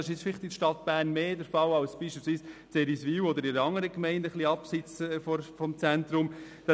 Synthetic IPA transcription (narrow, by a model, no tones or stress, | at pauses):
ɪʃɪt͡sfɪlɪχtɪʃtɑt̪b̥æːɾnmeːdəɾfɑwɑʊsb̥iːʃpilsʋiːst͡sɛɾisʋiːwɔd̪əɾɪɾəɑŋːəɾəkmɛɪndəχliɑpsɪt͡sːfɔɾfɔmt͡sænt̪ɾʊm | d̥ɑ